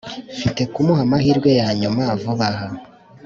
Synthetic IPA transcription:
fite̞kumuhamahiɾɡwe̞jaːɲumavuβaha

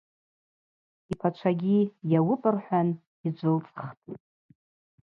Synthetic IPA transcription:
ipʰat͡ʃʷʰaɡʲijawʊpʼɨrħʷᶣan | id͡ʒʷʊlt͡sʼχtʼ

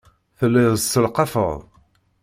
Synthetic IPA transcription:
θəlːiðəsəlqɑfə̰ðˤ

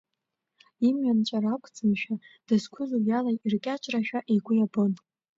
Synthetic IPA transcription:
imɥant͡ʃʷʼarakʷʰʼt͡sʼɨmʃᶣad̥ɨskʷʰʊzuljalajirkʲʼat͡ʃʼraʃᶣaʔiɡʷʊjabɨn

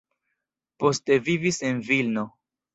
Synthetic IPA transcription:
po̞ste̞vivisenvilno̞

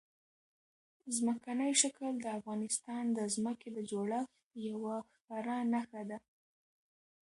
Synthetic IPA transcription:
zməkanəjʃakəld̪əafɣɑnɪst̪ɑnd̪əzməked̪əd͡ʒoɽax | jawaxpaɾanaxad̪a

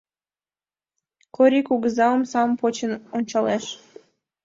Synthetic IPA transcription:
koɾʲikuɣəzɑəmsɑmpot͡ɕənonʲt͡ɕɑleʃ

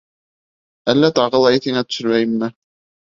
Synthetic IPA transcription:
ælːæt̪ɑʁɤlˠɑjiθhiŋæt̪ɵ̥̆ʃɵ̆ɾmæjɘmmɘ

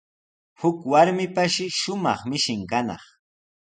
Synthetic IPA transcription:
hʊkwaɾmɪpaʃɪʃʊmɑ̰χmɪʃɪŋkanɑ̰χ

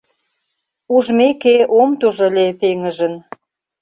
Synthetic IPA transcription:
uʒmekeomt̪uʒə̆lʲepeŋəʒə̆n

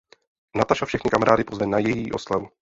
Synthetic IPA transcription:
nat̪aʃafʃɛxnɪkamaɾaːdɪpozvɛnajɛjiːʔo̞slavu

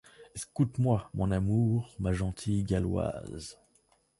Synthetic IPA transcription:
eskut̪mwamɔ̃namuːʁmaʒɑ̃t̪ʰijɡalwa̰z

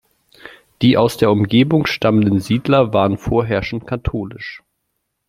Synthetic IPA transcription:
d̥iːʔaʊsd̥eːɐʊmɡeːbʊŋʃtaməndənziːdlɐvaːʁənfoːɐɦɛɐʃn̩tkʰatʰoːlɪʃ

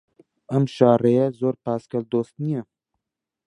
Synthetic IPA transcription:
ɐmʃɑːɾejɛzoːɾpɑːskɐld̪oːst̪nijɛ

